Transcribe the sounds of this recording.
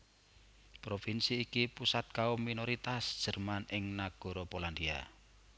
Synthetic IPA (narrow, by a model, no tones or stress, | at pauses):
pɾofinsiːkipusat̪̚kaomːinoɾit̪asd̥ʒ̥ə̤rmanʔɪŋnaɡ̥ɔ̤ɾɔpoland̪ia̰